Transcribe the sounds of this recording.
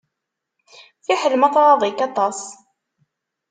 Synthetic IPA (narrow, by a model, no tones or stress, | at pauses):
fiħəlmɑθɾˤɑðˤikɑt̪ˤɑs